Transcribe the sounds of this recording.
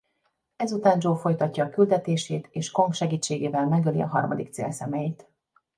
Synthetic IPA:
ɛzut̪aːnd͡ʒoːfo̞jt̪ɒcːɒːkyld̪ɛt̪eːʃeːt̪eːʃko̞ŋkʃɛɡiːt͡ʃːeːɡeːvɛlmɛɡølḭɒ̰ɦɒ̰rmɒ̰d̪ik̚t̪sḛːlsɛmɛjiːt̪

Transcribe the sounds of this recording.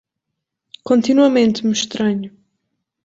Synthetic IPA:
kõnt̪inwɐmẽnt̪muʃt̪ɾɐɲu

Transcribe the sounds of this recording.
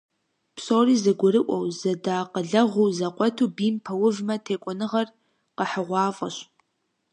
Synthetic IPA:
psoːriːzɐɡʷʊɾɨʔʷɔwzɐdaːqəɮɐʁʷuwzɐqʷʼɔtʰuːbiːmpʰɐwʊvmɐtʰeːkʷʼɔnɨʁɐr | qəħəʁʷɑːfʼɐɕ

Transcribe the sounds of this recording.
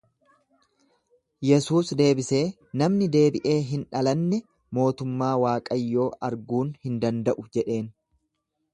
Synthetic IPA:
jɛsuːsd̪e̞ːbɪse̞ː | nɐmnɪd̪e̞ːbɪʔe̞ːɦɪnᶑɐlɐnːɛ | mo̞ːt̪ʊmːaːwaːkʼɐjːo̞ːʔɐɾɡuːnhɪnd̪ɐnd̪ɐʔʊd͡ʒɛᶑe̞ːn

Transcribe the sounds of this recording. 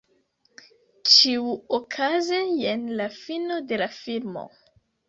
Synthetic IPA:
t͡ʃiuokʰazejenlafino̞de̞lafilmo̞̰

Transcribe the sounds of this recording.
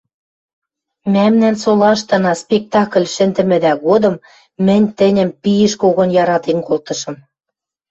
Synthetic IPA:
mæmnænsolɑʃt̪ɤ̆nɑspʲek̚t̪ɑklʲʃɘ̆nd̪ɘ̆mɘ̆d̪æɣod̪ɤ̆mː | ɘ̆nʲt̪ɘ̆nʲɘ̆mpijɘ̆ʃkoɣŏnjɑɾɑt̪enkolt̪ɤ̆ʃɤ̆m

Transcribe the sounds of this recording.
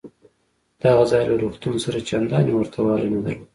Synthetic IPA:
d̪̥aɣazɑjlaɾuxt̪unsaɾat͡ʃand̪ɑnewəɾt̪ʰawɑlanad̪al

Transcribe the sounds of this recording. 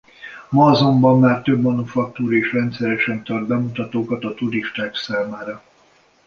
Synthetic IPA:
mɒːzo̞mbɒmːaːrt̪øbmɒnufɒk̚t̪uːɾeːʃrɛnt̪sɛɾɛʃɛnt̪ɒrd̪̚bɛmut̪ɒt̪oːkɒt̪ɒt̪uɾiʃt̪aːksaːmaːɾɒ

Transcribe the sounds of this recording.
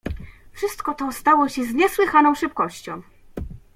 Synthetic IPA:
fʂɘst̪kɔt̪ɔst̪awɔɕɛzɲɛswɘxanɔ̃w̃ʂɘpkɔɕt͡ɕɔ̰̃w̃

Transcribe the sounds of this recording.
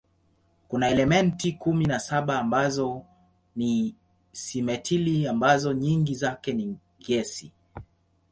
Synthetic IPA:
kunaɛlɛmɛntikuminasaɓaːmbazɔ | ni | simɛtʰiliambazɔɲiŋɡizakɛni | ɡɛsi

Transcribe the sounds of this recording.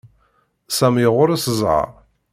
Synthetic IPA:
sæmjəʁʊɾasəzˤʕɑ̰

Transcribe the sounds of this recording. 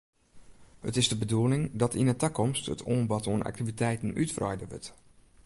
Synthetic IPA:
hə̰tɪzdəbəduəlɪŋdɔtinətakɔmstə̰tʰoːnbɔtoənʔa̰k̚tivitɛjtən̩ytfrɔ̰jdəʋʏ̰t

